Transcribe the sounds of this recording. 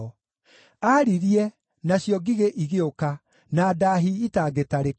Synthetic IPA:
aɾiɾiɛ | naɕjɔɡiɣeʔiɣeoka | nadaɦiitaːɡetaɾe

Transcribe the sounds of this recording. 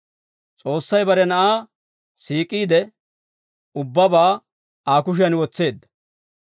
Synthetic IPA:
t͡sʼo̞ːsːɐjbɐɾɛnɐʔaː | siːkʼːiːd̪ɛ | ʊbːɐbaː | aːkʊʃ̬ɪjɐnwɔt͡sːe̞ːd̪ːɐ̥

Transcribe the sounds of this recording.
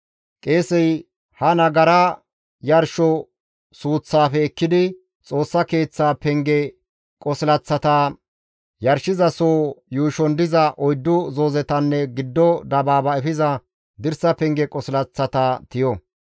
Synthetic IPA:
kʼeːsɛj | hɐnɐɡɐɾɐ | jɐɾʃɔ | suːt͡sːaːfɛːkːɪd̪ɪ | t͡sʼo̞ːsːɐke̞ːt͡sːaːpɛŋɡɛ | kʼɔsɪlɐt͡sːɐt̪a | jɐɾʃɪzɐsoːjuːʃɔnd̪ɪzɐʔɔjd̪ːʊzoːzɛt̪ɐnːɛɡɪd̪ːɔd̪ɐbaːbɐɛfɪzɐ | d̪ɪɾsɐpɛŋɡɛkʼɔsɪlɐt͡sːɐt̪aːt̪ɪjɔ

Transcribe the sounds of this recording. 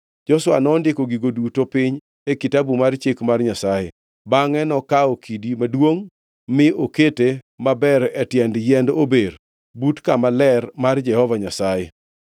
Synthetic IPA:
d͡ʒɔswa̰nɔndɪkoɡiɡodutopɪɲ | ekitabumart͡ʃekmarɲasajḛ | baŋɛnɔkaokʰidimadwoŋ | mɪokete | mabɛɾɛtjɛndjɛndober | butkamalɛrmard͡ʒɛhɔvaɲasajḛ

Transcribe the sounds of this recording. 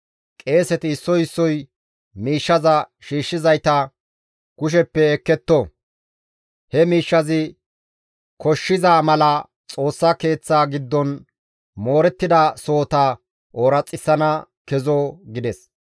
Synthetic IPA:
kʼe̞ːsɛt̪ɪːsːɔjɪsːɔj | miːʃːɐzɐʃiːʃːɪzɐjt̪ɐ | kʊʃ̬ɛpːɛːkːɛt̪ːɔ | hɛmiːʃːɐzɪ | kɔʃːɪzaːmɐlɐ | t͡sʼo̞ːsːɐke̞ːt͡sːaːɡɪd̪ːɔn | mo̞ːɾɛt̪ːɪd̪ɐsoːt̪ɐ | oːɾɐt͡sʼːɪsːɐnɐ | kɛzoɡɪd̪ɛs

